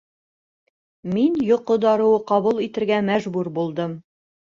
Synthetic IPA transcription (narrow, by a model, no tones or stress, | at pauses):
minjŏqːŏd̪ɑɾɤ̆wɤqɒβulˠit̪ɘ̆ɾɡæmæʒbʉɾbulˠd̪ɤm